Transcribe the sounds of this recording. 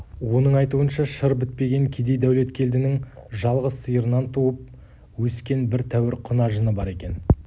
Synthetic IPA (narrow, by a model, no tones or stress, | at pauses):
wo̞nəɴɑjt̪uənʃɑʃəɾbɪt̪̚pe̞ɡʲe̞ŋkʲʰed̪e̞jd̪æwle̞t̪kʲʰe̞ld̪ɪnɪŋʒɑlˠʁəsəjəɾənɑnt̪ʰuəp̚ | wɵskʲe̞nbɪɾt̪ʰæwɪɾqʰʊnɑʒənəbɑɾe̞kʲe̞n